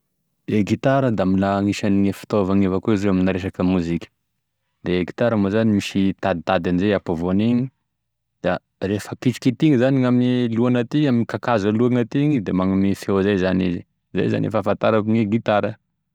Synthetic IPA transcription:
d̪̥eɡit̪aɾəd̪aaminaŋiʃaniŋefi̥t̪ovaŋevakuizirewaminaɾeʃakəmuzikʲə̥ | d̪eɡit̪aɾəmozanimiʃit̪ad̪it̪ad̪anizeapavoneŋi | d̪̥a | refəkit͡ʃi̥kit̪iŋizaniŋaminiluanat̪iaminikakazaluaŋat̪iŋid̪emaŋamifewzajzanizi | za̰jza̰nḛfafant̪aɾakuŋiɡit̪aɾə

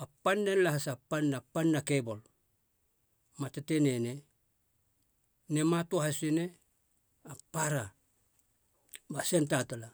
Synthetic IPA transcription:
apanːenlahasapanːapanːakebo̞l | matetenene | nematuahasine | apaɾa | basentatala

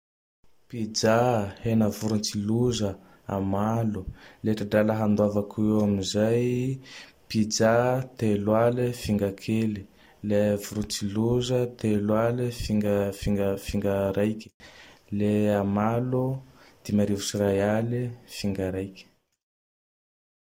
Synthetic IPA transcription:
pid͡ʒahenəvuɾunt͡siluzə | a̰maluleʈ͡ʂadalaɦand̪wavakʰueamizaj | pid͡zat̪elwalifiŋɡakʰeli | levuɾunt͡siluzət̪elwalifiŋɡfiŋɡəfiŋɡaɾajkʲi̥leamalud̪̥imaɾivusirajalifiŋɡaɾajkʲə̥

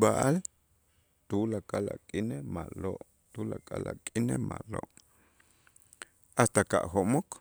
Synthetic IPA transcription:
baʔal | t̪ulakʼala̰kʼinemaloʔ | t̪ulakʼala̰kʼinemʔa̰ʔloʔ | ast̪aka̰ʔxoʔmok

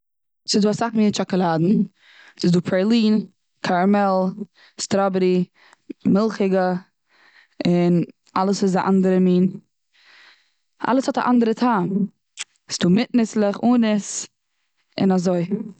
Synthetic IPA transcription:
sɪduːasaχmiːnt͡ʃɔkɔlˠaːdn̩ | sɪzduːpʰɾɛlˠiːn | kʰaɾmɛlˠ | stɾɔbɾi | mɪlˠχɪɡə | ɪn | alˠəsɪz̬aʔandəɾəmiːn | ʔa̰lˠəshɔta̰ʔandəɾətʰaːm | sɪ̥duːmɪtnɪslˠəχuːnɪs | ɪ̰nazoɪ

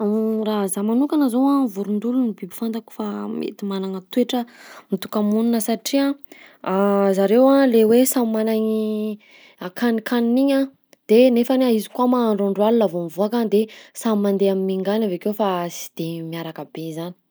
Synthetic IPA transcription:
razamanukanəzowãvuɾund̪ulunibibi̥fant̪aku̥famḛt̪imananət̪ueʈ͡ʂəmit̪u̥kamununəsaʈ͡ʂiaazaɾewãlewesammanaɲi | akanikʰaniniɲã | d̪̥enefanaizi̥kwamaɳɖ͡ʐoɳɖ͡ʐwalilavomivuakad̪esamimand̪eamimiŋɡanavekewfasi̥d̪̥emiaɾakəbezani̥

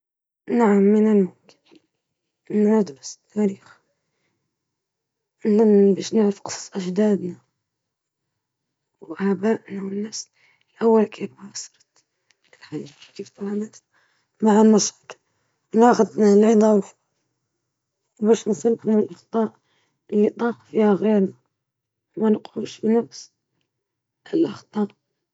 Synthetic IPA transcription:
naʕamːɪnɪlmʊmk | nʕad̪bast̪ʰːaːɾiːx | ɪlːambaːʃnɪʕɾɪfqɨ̥sˤsˤʔaʒd̪aːd̪na | wʔabaːʔnawɪnːaːs | lʔawːalkiːbbɑːsˤɑ̥ɾˤɑt̪ | lħajkift̪ˤɑlanas | maʕamɑʃɑk̪ | maʔxad̪nalʕid̪ˤɑwħ | wbæʃnsˤəlːʔanəlʔɑxt̪ˤɑːʔ | əlːit̪ˤɑːqfihaɣeɾna | mænəqʕuʃfinafs | ʔəlʔɑxt̪ˤɑːʔ

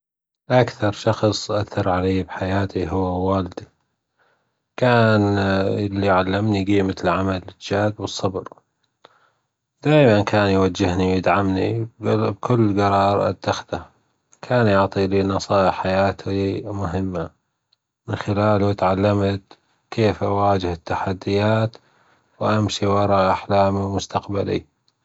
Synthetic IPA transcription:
ʔakθɑɾˤʃɑxsˤʔaθɑɾˤʕaleːbħajaːt̪ʰiɦʊwːawaːld̪i | kaːnlːiʕalːɪmniɡiːmɪt̪lʕamalɪd͡ʒaːd̪wɨsˤːɑbɾ | d̪̥aːjmankʰaːnjwad͡ʒːɪhniwjɪd̪ʕamnibkʊlːɡɑɾˤɑːɾˤʔa̰t̪ːaxd̪a | kʰaːnjʊʕt̪ˤilinɑsˤɑːʔɪħajaːt̪ʰimʊɦɪmːa | mɪnxɪlaːlut̪ʕalːamt̪ | kʰeːfʔawaːd͡ʒɪhɪt̪ːaħad̪ːɪjaːt̪ | wʔamʃiwɑɾˤɑʔaħlaːmiwmʊst̪aqbalḭ

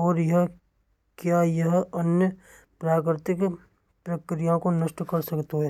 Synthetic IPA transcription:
ɔːɾjɐɦ | kjajɐɦɐnjə | pɾaːkɾɪt̪ɪk | pɾɐkɾijãkonəʃʈkɐɾsɐkt̪oɦɛ

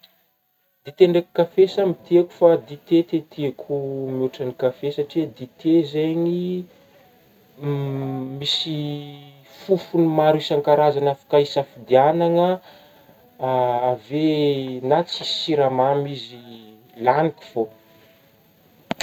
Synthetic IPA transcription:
d̪̥it̪eɳɖ͡ʐekukafesamit̪iaku̥fad̪it̪et̪et̪iakʰumiuʈ͡ʂanikafesaʈ͡ʂiəd̪it̪ezeɲi | misi | fufunimaɾisaŋkaɾazanafḁkaisafid̪ianaŋə | avenat͡si̥siɾamamizi | lanikʲi̥v̥o

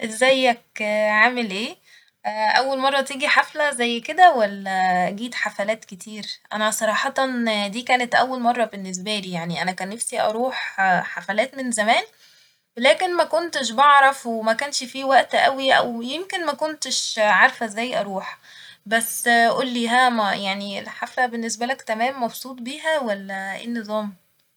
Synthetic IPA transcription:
ʔezːæjːækʕaːmelʔeː | ʔæwːælmɑrˤːɑt̪iːɡiħaflæzæjːked̪æwælːæɡiːt̪ħafælæːt̪ket̪ʰiːɾʔæ̰næsˤɑɾˤɑːħɑt̪ɑnd̪iːkæːnet̪ʔæwːælmɑrˤːɑbenːes̬bæliːjaʕniʔænækæːnːæfsiʔɑ̰ɾˤuːħħafælæːt̪menzæmæːn | welæːkenmækont̪eʃbeʕɾˤɑfwemækænʃfiwæʔt̪ʔæwiʔæ̰wjemkenmækont̪eʃʕaɾˤfæʔezːæjːʔɑɾˤuːħ | bæsːʔulːiːɦæːmæjaʕniḛlħaflæbenːes̬bælækt̪æmæːmːɑbsˤuːt̪̚ˤbiːɦæwælːæḛnːezˤɑːm

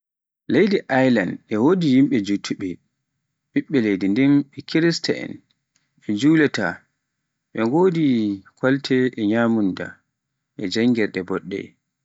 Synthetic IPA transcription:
lejdiʔajlanʔɛwodijimɓɛd͡ʒutʰːuɓɛ | ɓiɓːɛlejdindɛmɛkʰiɾista̰ɛ̰n | ɛd͡ʒuːlɛta | ɓɛŋɡoːdikʰaltʰɛʔɛɲaːmunda̰ | ʔɛd͡ʒaŋːɡɛɾɗɛbɔɗːɛ̰

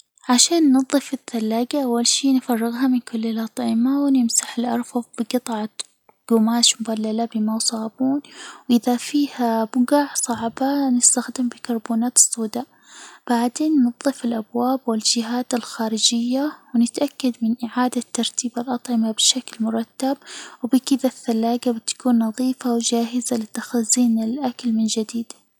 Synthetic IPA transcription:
ʕaʃaːnːɨðˤːɨfɪðːalːaːɡaʔawːalʃiːnfɑrˤːɪɣɦamɪnkʊlːɪlʔɑt̪ˤʕɪmawɪnɪmsaħɪlʔɑɾˤfɑðˤbɪɡɨt̪ˤʕɑ | ɡ̥ʊmaːʃmʊbalːalabɪmawsˤɑːbuːnwʔɪðafiːhabʊɡaʕsˤɑʕbanɪst̪axd̪ɪmbɪkɑɾˤbuːnaːt̪ɨ̥sˤːuːd̪a | b̥aʕd̪eːnːɨðˤːɨfɪlʔabwaːbwɪld͡ʒɪɦaːt̪ɪlxaːɾɪd͡ʒɪjːawnɪt̪ʔakːad̪mɪnʔɪʕaːd̪at̪ːɑɾˤt̪iːbalʔɑt̪ˤʕɪmabɪʃaklmʊɾˤɑt̪ːab̚wbikɪðaθːalːaːɡabɪt̪ːḁkuːnːɑðˤiːfawd͡ʒaːɦɪzalɪt̪ːaxazːiːnɪlʔakalmɪnd͡ʒad̪iːd̪̥

